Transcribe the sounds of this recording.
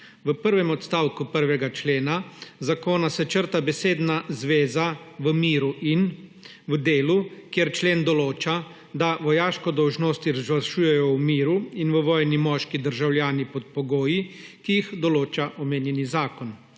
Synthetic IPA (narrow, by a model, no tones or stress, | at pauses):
ʋəpəɾʋɛmɔt̪st̪aːwkupəɾʋɛɡat͡ʃleːnazakoːnasɛt͡ʃəɾt̪abɛseːd̪nazʋeːzaʋəmiːɾuʔin | ʋəd̪eːlukjeɾt͡ʃleːnd̪ɔloːt͡ʃa | d̪aʋɔjaːʃkɔd̪ɔwʒnoːst̪iɾazʋəɾʃuːjɛjɔwmiːɾuinʋəʋɔːjnimɔːʃkid̪əɾʒawljaːnipɔt̪̚pɔɡoːjikijixd̪ɔloːt͡ʃaʔɔmeːnjɛnizaːkɔn